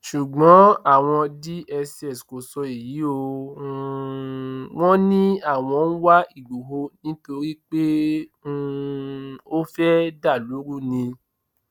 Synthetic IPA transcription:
ʃu˨ɡ͡bɔ̃˨˦a˦˨w̃ɔ̃˧di˦ʔɛ˧sɛ˦˨sko˨sɔ˧i˨ji˨˦o˧˦ | w̃ɔ̃˦nĩ˦a˦˨w̃ɔ̃˧ñ̩˦wa˦i˦˨ɡ͡bu˨ɦo˧nĩ˨˦to˧ɾi˦k͡pe˦ũ˦ | o˦fɛ˦da˦˨lu˨˦ɾu˦nĩ˧

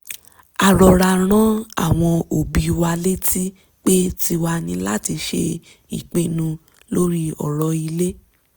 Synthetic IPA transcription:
a˨ɾɔ˨ɾa˧ɾ̃ã˦a̰˦˨w̃ɔ̃˧o˨bi˧wa˧le˦ti˦ | k͡pe˦ti˧wa˧nĩ˧la˦˨ti˧ʃḛ˧ | ḭ˨k͡pĩ˨˦nũ˧ | lo˦ɾi˦ɔ̰˨ɾɔ˧i˧le˦

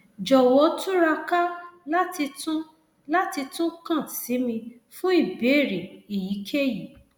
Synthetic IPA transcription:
d͡ʒɔ˨wɔ˨˦tũ˦ɾa˧ka˦la˦ti˧tũ˦ | la˦ti˧tũ˦kã˦˨si˨˦mĩ˧ | fũ˦i˦˨be˨˦˨ɾe˨i˨ji˨˦kʰe˦ji˨

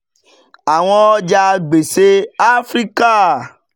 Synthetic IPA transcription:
a˨w̃ɔ̃˧ɔ˧d͡ʒa˧ɡ͡be˨se˦a˦fɾi˦ka˦

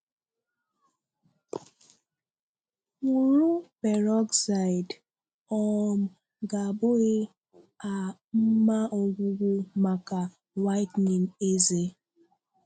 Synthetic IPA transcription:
ŋʷu˨ɾu˦pe˨ɾɔ˦ksa˨ɪ˨d | ɔ˦m̩˨ | ɡa˨bo˦ɣe˦ | a˨m̩˦ma˦ɔ˨ɡʷʊ˦ɡʷʊ˦ma˨ka˨ | wa˦ɪ˦tni˨n̩˨e˦ze˦

